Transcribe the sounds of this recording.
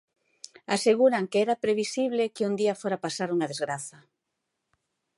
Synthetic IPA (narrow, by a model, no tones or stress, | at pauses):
aseɣ̞uɾaŋkeɛɾapɾeβisiβ̞lekɪund̪iafoɾapasaɾuŋɐðezɣɾaθɐ